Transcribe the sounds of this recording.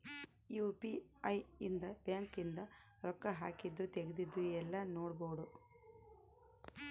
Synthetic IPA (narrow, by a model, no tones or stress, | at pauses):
juːpiɐjind̪ɐbjaːŋkind̪ɐ | ɾɔkːɐɦaːkid̪ːut̪eɡed̪id̪ːuɛlːɐnoːɽboːɖu